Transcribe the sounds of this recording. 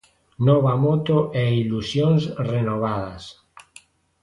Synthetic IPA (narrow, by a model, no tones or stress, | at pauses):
nɔβamot̪oʔeilusjonsrenoβ̞aðas